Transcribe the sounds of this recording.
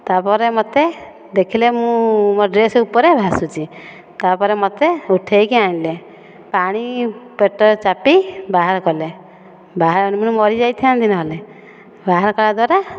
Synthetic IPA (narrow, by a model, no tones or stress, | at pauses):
t̪apɔɾemɔt̪e | d̪ekʰilemũmɔɖɾesupɔɾebʱasut͡ʃʰi | t̪apɔɾemɔt̪euʈʰejkiaĩle | paɽ̃ipeʈɔɾt͡ʃapibaɦaɾɔkɔle | baɦaɾɔñimunemɔɾid͡ʒajt̪ʰiañd̪inɔɦele | baɦaɾkɔɭad̪waɾa